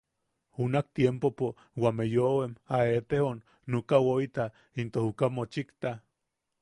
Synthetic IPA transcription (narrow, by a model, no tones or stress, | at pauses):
unak̚t̪jempopo | wamejowemaet̪ehonː | ukawoit̪a | int̪ohukamot͡ʃikt̪a